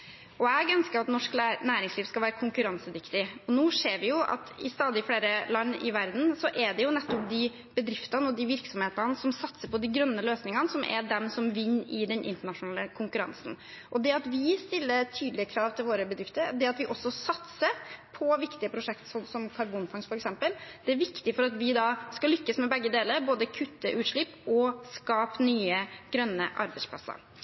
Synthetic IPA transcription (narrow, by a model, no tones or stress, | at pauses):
ʔɔɛɡœnskəɾɑt̪nɔʂk̪ːnæːɾɪŋsliːʋskɑʋæːɾəkʰʊŋkʉɾɑnsəd̪ɪkt̪ɪɔnuːseːɾʋɪjʊʔɑ̰t̪ɪ̰st̪ɑːd̪ɪfɽeːɾəlɑnːɪ̰ʋæɾd̪n̩sɔʔɛd̪ɛjʊnɛt̪ːɔp̚d̪ɪ | bəd̪ɾɪft̪ɑnəɔd̪ɪʋɪɾksɔmheːt̪ɑnəsɔmsɑt̪səɾpʰɔd̪ɪɡɾœnːəløːsnɪŋənəsɔmʔɛ̰d̪ɛmsɔmʋɪnːɪd̪ɛnʔɪ̰nt̪əɳɑʂʊnɑːləkʰʊŋkʉɾɑ̰nsn̩ | ʔɔd̪ɛɑt̪ʋɪst̪ɪlːəɾt̪ʰyːd̪lɪəkʰɾɑːʋt̪ʰɪlʋoːɾəbəd̪ɾɪft̪əɾd̪ɛɑt̪ʋɪʔɔsːɔsɑt̪səɾpʰɔʋɪkt̪ɪəpʰɾʊʂɛkt̪sɔnsɔmkʰɑɾbuːnfɑŋsfɔɾɛksɛmpəld̪̥ɛæɾʋɪkt̪ɪfɔɾɑt̪ʋɪd̪ɑskɑlʏkːəsmɛbɛɡːəd̪eːləɾboːd̪əkʰʉt̪ːəʔʉːʂɭɪpːɔskɑːpnyːəɡ̥ɾœnːəʔɑ̰ɾbɛɪspʰlɑ̰sːə̰ɾ